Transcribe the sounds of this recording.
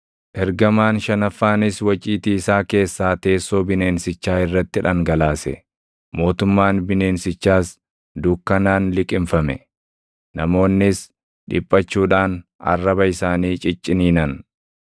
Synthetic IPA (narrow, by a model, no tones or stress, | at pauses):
ʔɛɾɡɐmaːnʃɐnɐfːaːnɪswɐt͡ʃʼiːt̪iːsaːke̞ːsːaːt̪e̞ːsːo̞ːbɪne̞ːnsɪt͡ʃːaːɪrːɐt̪ːɪᶑɐŋɡɐlaːsɛ̰ | mo̞ːt̪ʊmːaːnbɪne̞ːnsɪt͡ʃːaːs | d̪ʊːkːɐnaːnlɪkʼɪmfɐmɛ | nɐmo̞ːnːɪs | ᶑɪpʼːɐt͡ʃːuːᶑaːnɐ̰rːɐbɐɪsaːniːt͡ʃʼɪt͡ʃʼːɪniːnɐn